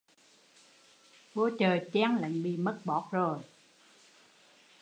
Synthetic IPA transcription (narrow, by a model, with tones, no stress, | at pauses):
ɓo˧˦t͡ɕəː˨˩jt͡ɕɛː˧˥ŋla̰˧˨jŋɓḭ˧˨mə˦˥t̚ɓɔ˨˦˥k̚zo˨˩j